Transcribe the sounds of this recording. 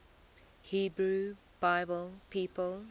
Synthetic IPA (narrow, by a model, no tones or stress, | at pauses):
hiːbɹu | b̥aɪbəlˠpʰiːpəl